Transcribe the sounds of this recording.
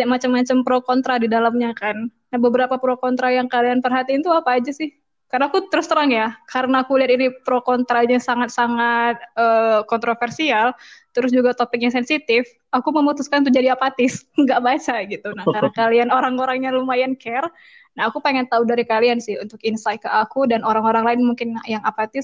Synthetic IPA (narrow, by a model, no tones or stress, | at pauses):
amat͡ʃamːat͡ʃampɾokont̪ɾadidalamɲakanː | ahbəbəɾapapɾokont̪ɾajaŋkalianpərɦat̪iːnt̪uapaːd͡ʒasɪh | karnaːkut̪əɾʊst̪əɾaŋjakaɾənaːkuliat̪inipɾokont̪ɾaɲasaŋat̪saŋat̪̚əkɔnt̪ɾofɛrsialt̪əɾʊs̬d͡ʒuɡat̪opɪk̚ɲasɛnsit̪ɪf | akuməmut̪uskant̪ud͡ʒadiapat̪ɪsŋɡaʔbat͡ʃaɡit̪unakaɾənakalianoɾaŋoɾaŋɲalumajankɛr | naɦakupaŋɛnt̪audaɾikaliansɪhunt̪ʊkinsaj̪̚kaʔakudanoɾaŋoɾaŋlaɪnmuŋkɪnjaŋapat̪ɪs